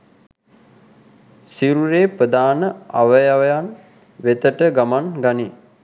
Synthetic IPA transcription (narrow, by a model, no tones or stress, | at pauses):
siɾuɾeːpɾəd̪aːnəaʋəjaʋəjan | ʋet̪əʈəɡamanɡani